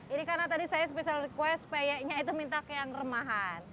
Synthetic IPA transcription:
inikaɾənat̪adisajasəpesalrikuwɛspajɛʔɲait̪umint̪akjaŋrəmaɦan

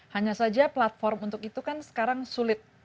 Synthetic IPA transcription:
haɲasad͡ʒaplat̪̚fɔrmunt̪ʊkit̪ukansə̥kaɾaŋsulɪt̪̚

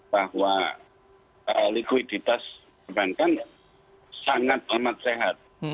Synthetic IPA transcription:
b̥ahwa | ʔəlikwid̪̥it̪as | əbankan | saŋat̪̚amat̪̚seɦat̪̚

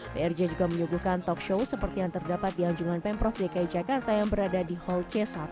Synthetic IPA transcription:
beɛrd͡ʒad͡ʒuɡaməɲuɡuhkant̪ɔkʃowsəpərt̪ijaŋt̪ərdapat̪̚diaɲd͡ʒuŋanpɛnpɾɔfdakaid͡ʒakart̪ajaŋbəɾadadihɔlt͡ʃɛsa

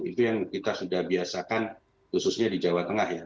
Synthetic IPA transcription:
it̪ujaŋkit̪asudahbiasakan | kususɲadid͡ʒawat̪əŋahja

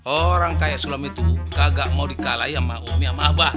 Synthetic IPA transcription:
ɔɾaŋkajasulamit̪ṵkaɡaʔmaudikalaiamaumiamaba

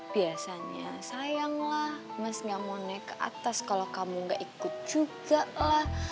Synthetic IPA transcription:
b̥iasaɲasajaŋlahməsŋɡaʔmonajkəʔa̰t̪askalokamuŋɡaʔikʊt̪̚d͡ʒuɡalah

